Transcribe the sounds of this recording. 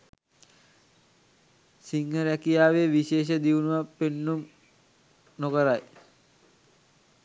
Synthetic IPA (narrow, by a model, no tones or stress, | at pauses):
siŋhəɾækijaːʋeʋiɕeːʃ̬əd̪iʋunuʋapːenːum | nokəɾaj